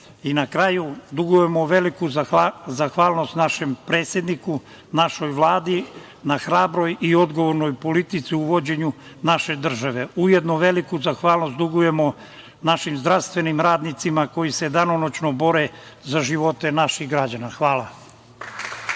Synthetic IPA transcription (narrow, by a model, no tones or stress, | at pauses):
inakɾajud̪uɡuje̞moʋelikuzaxʋaːlˠno̞st̪naʃe̞mpɾeːt̪sjed̪niku | naʃo̞jʋlˠaːd̪i | naxɾaːbɾo̞jio̞d̪ɡoʋo̞ɾno̞jpo̞lit̪it̪siuʋo̞d͡ʑe̞ɲu | naʃe̞d̪r̩ʒaʋe̞ujed̪noʋe̞likuzaxʋaːlˠnost̪d̪uɡuje̞mo̞ | naʃimzd̪ɾaʋst̪ʋe̞nimɾaːd̪nit̪simako̞jised̪anonot͡ɕnobo̞ɾezaʒiʋo̞t̪e̞naʃixɡɾad͡ʑanaxʋaːlˠa